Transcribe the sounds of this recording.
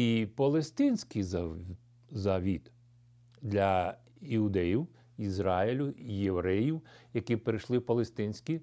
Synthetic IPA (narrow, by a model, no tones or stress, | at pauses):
ipɐlˠest̪ɪnʲsʲkʲijz | zɐʋʲit̪ | d̪lʲɐ | iʊd̪ɛjiw | izɾɑɪlʲʊjeʋɾɛjiwjɐkʲipɾɪʃlˠɪpɐlˠest̪ɪnʲsʲkʲi